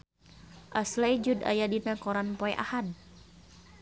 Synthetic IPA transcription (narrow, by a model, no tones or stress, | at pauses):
ʔaslajd͡ʒuda̰jadinakɔɾanpɔɛʔa̰had